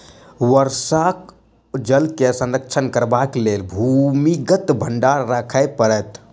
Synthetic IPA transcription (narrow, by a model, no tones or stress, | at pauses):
ʋəɾsak | d͡ʒəlkesə̃nɾək̚t͡ʃʰənkəɾbaklelbʱumiɡət̪bʱəɳɖaɾːakʰəɪpəɾɛt̪